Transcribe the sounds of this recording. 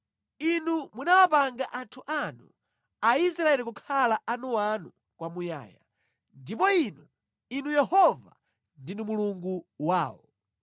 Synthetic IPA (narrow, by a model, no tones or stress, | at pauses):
inumunawapaŋɡaʔantʰuʔanu | ais̬ɾaɛlik̬ukʰalaʔanuanu | kwamuja̰ːja̰ | ndipɔinu | inujɛhɔva̰ | ndinumuluŋɡuwaːwɔ